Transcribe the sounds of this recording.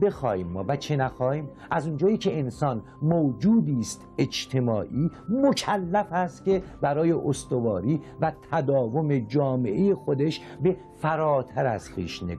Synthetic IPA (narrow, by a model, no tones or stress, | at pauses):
be̞xɒ̰ːhiːmːɒːvæt͡ʃʰenæxɒːhiːm | ʔæzund͡ʒɒːjiːcʰe̞ensɒːn | mod͡ʒuːd̪iːst̪e̞d͡ʒt̪ʰe̞mɒːʔiːmocʰælːæfæst̪kʲe̞bæɾɒːje̞ʔost̪ovɒːɾiːvæt̪ʰæd̪ɒːvo̞me̞d͡ʒɒːme̞ʔeje̞xod̪e̞ʃ | be̞ | fæɾɒːt̪ʰæɾæz̥xḭːʃnḛ